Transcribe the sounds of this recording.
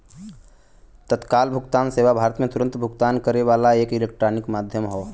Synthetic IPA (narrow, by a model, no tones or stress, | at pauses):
t̪ət̪kaːlbʱʊɡt̪aːnseːʋabʱaːɾət̪mẽt̪ʊɾə̃nt̪bʱʊɡt̪aːnkəɾeʋaːlaeːkɪleːk̚ʈɾanɪkmaːd̪ʱjəmɦoː